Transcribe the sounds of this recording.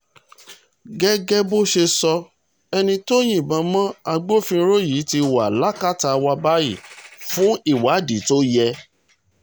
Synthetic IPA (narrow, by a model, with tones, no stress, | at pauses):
ɡɛ˦ɡɛ˦bo˦ʃe˧sɔ˧ | ɛ˧nĩ˧to˦j̃ĩ˦˨bã˨˧˦mã˦a˧ɡ͡bo˦fĩ˧ɾo˦ji˨˦ti˧wa˨la˦ka˦ta˧wa˧ba˦ji˦˨fũ˦i˦˨wa˨˦˨di˨˦to˦jɛ˧